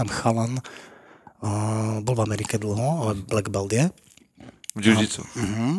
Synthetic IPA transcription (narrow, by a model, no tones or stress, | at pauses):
amxalan | bɔlˠvamɛɾikɛd̪l̩ˠɦɔalɛblɛɡbɛld̪ɪɛ | vd͡ʒuit͡sṵm̩ːɦ̩